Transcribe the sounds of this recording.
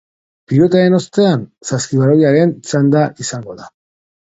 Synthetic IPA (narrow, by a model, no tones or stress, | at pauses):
pilo̞t̪ae̞no̞st̪e̞ansaskiβaɾojiaɾe̞nt͡ʃand̪aʔisaŋɡo̞ða